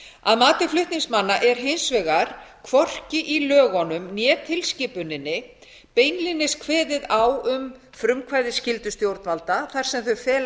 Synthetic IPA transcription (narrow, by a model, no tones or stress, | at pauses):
aðmaːt̪ɪflʏht̪niŋksmanːaʔɛɾ̥ɦejnsvɛɣaɾ̥kʰvɔr̥cɪʔilœːɣɔnʏmnjɛːt̪ʰɪlscɪːpʏnɪnːɪ | peːjnlɪnːɪskʰvɛːðɪðawʏm | fɾʏmkʰvaːjðɪscɪlt̪ʏst̪jowɾt̪nvalt̪aθar̥sɛmθœɥfɛːl